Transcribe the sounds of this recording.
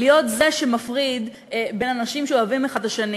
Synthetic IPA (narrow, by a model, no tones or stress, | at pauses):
lijo̞t̪zeʃemafʁid̪ | be̞nanaʃimʃeoavimaχadaʃani